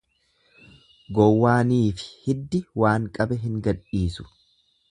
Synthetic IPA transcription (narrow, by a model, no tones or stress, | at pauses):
ɡɔwːaːniːfɪ̥hɪd̪ːɪwaːŋkʼɐbɛɦɪŋɡɐᶑiːsʊ̥